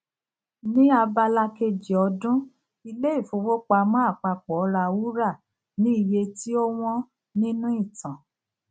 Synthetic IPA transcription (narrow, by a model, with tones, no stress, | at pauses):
nĩ˦a˧ba˧la˧ke˧d͡ʒi˨ɔ˧dũ˦ | i˧le˦i˦˨fo˨˧˦wo˦k͡pa˧mɔ̃˦a˦˨k͡pa˧k͡pɔ˨˦ɾa˧wu˦ɾa˦˨ | nĩ˨˦i˦˨je˧ti˦o˦w̃ɔ̃˦ | nĩ˦nũ˦i˦˨tã˨